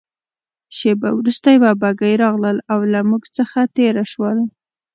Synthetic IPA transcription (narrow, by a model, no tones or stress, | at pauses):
ʃebawɾust̪ajbabaɡəjɾɑɣləlawlamuɡt͡səxat̪eɾaʃwəl